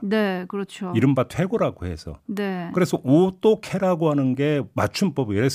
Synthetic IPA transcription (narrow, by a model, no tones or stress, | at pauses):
ne̞kɯɾʌt͡ɕʰoiɾɯmbatʰwe̞ɡoɾaɡohe̞̰sʰʌ̰nekɯɾe̞sʰʌʔot͈okʰeɾaɡoɦanɯnɡe̞mat͡ɕʰunp͈ʌbjeɾes